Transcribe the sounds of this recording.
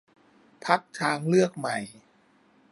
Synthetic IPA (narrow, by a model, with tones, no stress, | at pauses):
pʰa˦˥k̚t̪ʰaː˧ŋlɯ˥˩ək̚ma˨˩j